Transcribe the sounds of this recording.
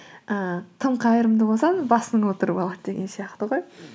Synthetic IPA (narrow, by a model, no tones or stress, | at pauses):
ət̪ʰəmqʰɑjəɾəmd̪əbosɑnbɑsənəɴwot̪əɾəpɑlˠɑd̪əd̪e̞ɡʲe̞nsijɑqt̪əʁo̞j